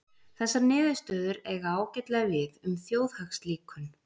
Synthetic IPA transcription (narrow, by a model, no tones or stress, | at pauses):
θɛsːanɪːðʏst̪œːðʏɾɛɣaaːwcɛjt̪lɛɣavɪðʏmθjoːwðhaxsliːkʰʏn